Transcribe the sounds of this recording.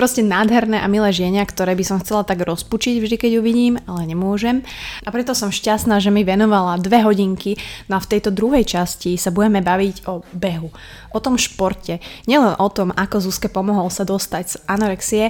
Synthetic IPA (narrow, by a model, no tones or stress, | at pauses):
pɾɔscɛnaːd̪ɦɛɾnɛʔamilɛːʒɪɛɲakt̪ɔɾɛːbisɔmxt͡sɛlat̪aɡɾɔsput͡ʃiɟvʒd̪ikɛɟuʋiɟiːmalɛɲɛmʊɔʒɛmʔapɾɛt̪ɔsɔmʃcast̪naːʒɛmiʋɛnɔʋalad̪ʋɛɦɔɟiŋkinɔaft̪ɛjt̪ɔd̪ɾuɦɛjt͡ʃascisabuɟɛmɛbaʋiɟɔbɛɦu | ʔɔt̪ɔmʃpɔɾcɛɲɪɛlɛnʔɔt̪ɔmakɔzuskɛpɔmɔɦɔlsad̪ɔst̪aɟz̥ʔanɔɾɛksiɛ